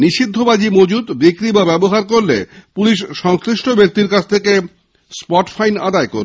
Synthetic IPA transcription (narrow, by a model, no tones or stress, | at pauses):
niʃid̪ʱːobad͡ʑimod͡ʑud̪bikɾibabɛboɦaɾkoɾlḛpuliʃʃɔŋsɾiʃʈʰobek̚t̪iɾkat͡ɕʰt̪ʰeke | spɔʈfajna̰d̪aeko̰ɾ